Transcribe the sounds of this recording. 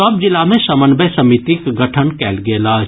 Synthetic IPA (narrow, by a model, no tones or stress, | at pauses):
ɐb̚d͡ʒɪlamẽsɐmənbesɐmit̪ikɡɐʈʰənkɛːlɡeːlaː